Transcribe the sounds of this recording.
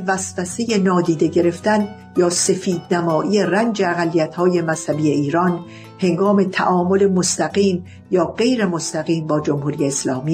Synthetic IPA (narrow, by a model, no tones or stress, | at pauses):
væsvæse̞je̞nɒːd̪iːd̪e̞ɟe̞ɾe̞ft̪æn | jɒːse̞fiːd̪̚næmɒːʔijerænd͡ʒeæɣælːijæt̪hɒːje̞mæshæbiːe̞iːɾɒːn | he̞ŋɡɒːme̞t̪ʰæʔɒːmo̞le̞most̪æɣiːm | jɒːɢe̞jɾe̞most̪æɣiːmbɒːd͡ʒo̞mhuːɾijeːslɒːmiː